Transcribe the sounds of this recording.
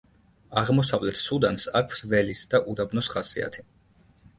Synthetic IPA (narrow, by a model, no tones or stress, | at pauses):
aʁmɔsavlɛt̪ʰsud̪ansakʰvsvɛlisd̪aʔud̪abnɔsχasia̰t̪ʰi̥